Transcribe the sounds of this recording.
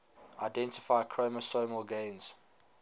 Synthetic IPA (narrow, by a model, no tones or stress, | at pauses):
aɪdɛ̃ntɪ̥faɪkʰɹ̥oməsoməlɡẽɪ̃nz̥